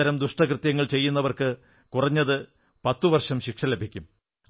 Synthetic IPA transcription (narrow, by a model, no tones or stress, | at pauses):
ɐɾɐmd̪uʂʈɐkrɨt̪jɐŋːɐɭt͡ɕe̞jːunːɐʋɐrkɨ | kurɐɲːɐðɨ | pɐt̪ːuʋɐrʂɐmɕikʂɐlebʱikʲːum